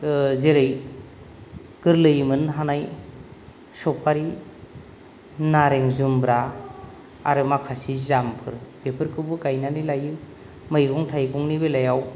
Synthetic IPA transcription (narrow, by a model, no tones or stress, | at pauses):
zeɾɯj | ɡ̥ɯɾlɯjmɯnɦanaj | sɔpʰaɾi | naɾeŋzumbɾa | a̰ɾɯmakʰasizampʰɯɾb̥epʰɯɾkʰɯbɯɡajnanilajɯ | mɯjɡɔŋtʰajɡɔŋnibelajaw